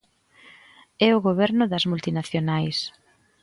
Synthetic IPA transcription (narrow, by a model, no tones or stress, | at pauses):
ɛʊɣoβ̞ɛɾnʊðɐzmult̪inaθjonajs